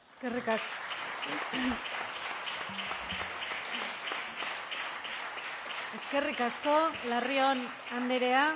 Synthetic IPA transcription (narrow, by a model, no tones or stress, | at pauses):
eskerikas | e̞ske̞rikasko̞lario̞n | and̪eɾe̞a